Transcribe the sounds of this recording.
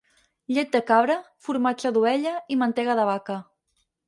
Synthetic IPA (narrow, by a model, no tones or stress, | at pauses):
ʎet̪̚d̪əkaβɾəfuɾmad͡ʒəðuɛʎəimənt̪eɣəðəβ̞akə